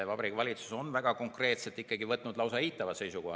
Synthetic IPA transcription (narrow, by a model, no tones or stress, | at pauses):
evɑbɾikːvɑlʲit̪su̥so̞nvæɡ̥ɑko̞ŋkre̞ːt̪set̪ːˑikːˑɑɡivɤt̪ːˑnud̪lɑwsɑiːt̪ːˑɑvɑt̪se̞jsukohɑ